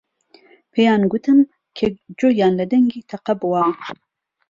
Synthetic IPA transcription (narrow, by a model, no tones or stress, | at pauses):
pʰejaːnɡut̪ʰɨm | kʰed͡ʒojaːnlɨd̪ɛŋɡiːt̪ʰɛqɐbɨwaː